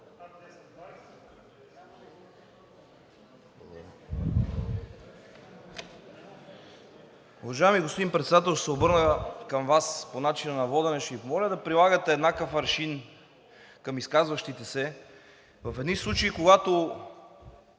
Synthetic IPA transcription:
uvɐʒaɛmiɡospod̪inpɾɛt̪sɛd̪at̪ɛlˠʃt̪sɛobɤɾnəkɐmvasponat͡ʃinənɐvɔd̪ɛnɛʃifmɔlʲəd̪ɐpɾilˠaɡət̪ɛːd̪nakəfɾɐʃin | kɐmiskazvɐʃt̪it̪ɛsɛ | vɐfɛd̪nislˠut͡ʃɐikoɡat̪o

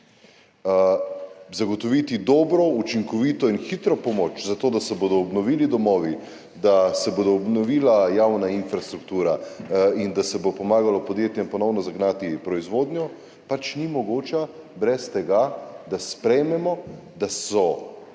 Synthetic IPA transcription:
zaɡɔt̪ɔʋit̪id̪ɔːbɾɔut͡ʃiŋkɔʋiːt̪ɔinxit̪ɾɔpɔmoːt͡ʃzat̪oːd̪asɛboːd̪ɔːbnɔʋiːlid̪ɔmɔːʋi | d̪asɛbod̪ɔːbnɔʋiːlajawnainfɾast̪ɾukt̪uːɾaind̪asɛbopɔmaːɡalɔpɔd̪jeːt̪jɛmpɔnɔwnɔzaɡnat̪ipɾɔizʋoːd̪nʲjɔ | pat͡ʃnimɔɡoːt͡ʃabɾɛst̪ɛɡad̪aspɾɛjmɛmɔ | d̪asɔ

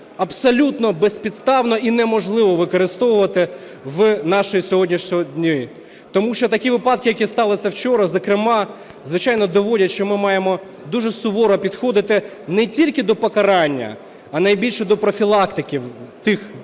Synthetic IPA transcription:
ɐbsɔlʲut̪nɔbɛspʲid̪st̪ɑwnɔʔinɛmɔʒlˠɪʋɔʋɪkɔɾɪst̪ɔʋʊʋɐt̪ɪ | ʋnɑʃɔjisʲɔɦɔdʲnʲiʃʲɔdʲnʲɔji | t̪ɔmuʃt͡ʃɔt̪ɐkʲiʋɪpɑd̪̚kɪjɐkʲist̪ɑlˠɪsʲɐwt͡ʃɔɾɐzɐkɾɪmɑ | zʋɪt͡ʃɑjnɔd̪ɔʋɔlʲɐtʲʃt͡ʃɔmɪmɑjemɔ | d̪uʒɛsʊʋɔɾɔpʲid̪xɔd̪ɪt̪ɪnɛtʲilʲkɪd̪ɔpɔkɐɾɑnʲːɐ̰ | ɐnɐjbʲilʲʃɛd̪ɔpɾɔfʲilˠɑkt̪ɪkʲiwt̪ɪx

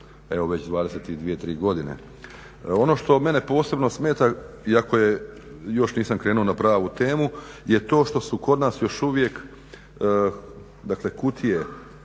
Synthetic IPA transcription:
e̞ʋoʋe̞t͡ɕd̪ʋaːd̪eset̪id̪ʋijet̪ɾiːɡo̞d̪inḛ | o̞no̞ːʃt̪o̞me̞ne̞po̞ːse̞bno̞sme̞ːt̪a | iako̞je̞ | jo̞ʃniːsamkɾeːnuo̞napɾaːʋut̪e̞ːmuje̞t̪o̞ːʃt̪o̞suko̞d̪naːsjo̞ʃuʋje̞k | d̪akle̞kut̪ʰije̞

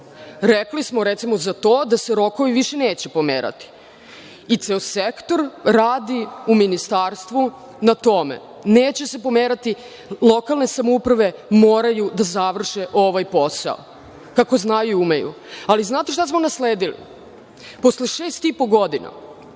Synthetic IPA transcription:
ɾeklismoɾet̪simozat̪o̞ːd̪aseɾo̞koʋiʋiʃeneːt͡ɕɛpo̞mḛːɾa̰t̪i̥ | it̪seosekt̪o̞ɾɾaːd̪iuminist̪aːɾst̪ʋu | nat̪o̞mḛ | neːt͡ɕese̞po̞meːɾat̪i | lˠo̞kalˠne̞samoupɾaʋe̞moːɾajud̪azaʋr̩ʃeʔo̞ʋajpo̞sa̰o̰ | kako̞znajuiumejṵ | aliznaːt̪eʃ̬t̪asmo̞nasleːd̪ilḭ | po̞sleʃeːst̪ipo̞ɡo̞d̪ina̰

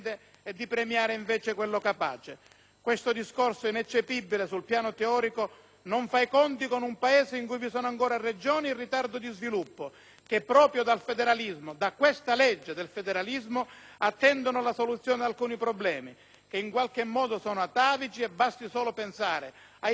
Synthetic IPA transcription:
d̪e | ɛd̪ːipɾemjaːɾeiɱvɛːt͡ʃekwelːʊkapa̰ːt͡ʃe | kwest̪ʊd̪iskorsoinɛt͡ʃːepibːilesulpjaːnʊt̪eɔːɾiko | noɱfajkɔnt̪ikonumpaɛːzeiŋkujvisɔːnaŋkɔːɾared͡ʒɔːniːrːit̪ard̪ʊd̪izvilupːʊ | k̟epːɾɔːpɾjʊd̪alfed̪ɛɾalizmʊd̪akːwest̪alɛd͡ʒːed̪elfed̪ɛɾalizmʊ | at̪ːɛnd̪onʊlasolut̪sːjɔːnɪd̪alkuːnipɾɔblɛːmi | k̟eiŋkwalk̟ɪmːɔːd̪ʊsɔːnʊat̪ːaːvit͡ʃiɛbːast̪isɔːlʊpensaːɾɪ | a

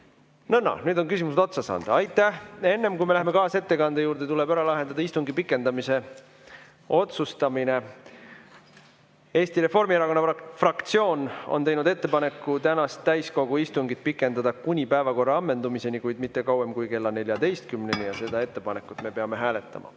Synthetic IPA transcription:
nɤnːɑ̰nyːd̪o̞nkys̬ʲimuset̪ot̪sɑsɑ̰ːnd̪̥ɑɑjt̪ːˑæhe̞nːe̞mkujme̞læhme̞kɑːse̞t̪ːe̞kɑnd̪e̞juːɾd̪̥e̞t̪ule̞bæɾɑlɑɦe̞nd̪̥ɑd̪̥ɑist̪uŋɡipikːˑe̞nd̪ɑmise̞ | o̞t̪sust̪ɑmine̞ | e̞ːst̪iɾe̞fo̞rmieɾɑko̞nːɑfrɑkt̪sio̞ːno̞̰nt̪e̞jnud̪e̞t̪ːe̞pɑne̞kːˑut̪ænɑst̪ːæjsko̞ɡ̥uist̪uŋɡit̪̚pikːˑe̞nd̪ɑd̪ɑkunʲipæevɑko̞rːɑɑmːe̞nd̪umise̞nikujd̪mit̪ːe̞kɑwemkujke̞lːɑnelʲjɑd̪e̞jst̪̚kymne̞nʲijɑse̞d̪̥ɑe̞t̪ːe̞pɑne̞kːˑut̪ˑme̞peɑme̞ɦæːle̞t̪ːˑɑ̰mɑ̰

